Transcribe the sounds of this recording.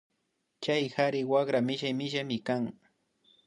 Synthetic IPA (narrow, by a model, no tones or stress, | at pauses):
t͡ʃajxaɾɪwakɾamɪʃajmɪʃamɪkaŋ